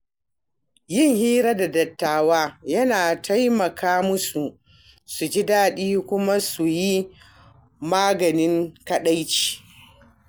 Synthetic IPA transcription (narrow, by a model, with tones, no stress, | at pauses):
jɪ˦˨ŋhiː˦ɾa˦da˨dɐ˨tːaː˨waː˦jɐ˦naː˨tʰa˦jmɐ˨kʰaː˦mʊ˦su˨ | su˨d͡ʒɪ˦daː˦ɗiː˦kʷʊ˦ma˦su˨ji˦ | maː˦ɡɐ˨nɪ˦ŋkɐ˦ɗa˦jt͡ʃi̥ː˨